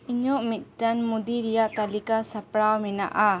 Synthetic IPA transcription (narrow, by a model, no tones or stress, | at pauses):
iɲɔʔmit̪̚tanmud̪iɾijaʔt̪alikasapɾawmina̰ʔa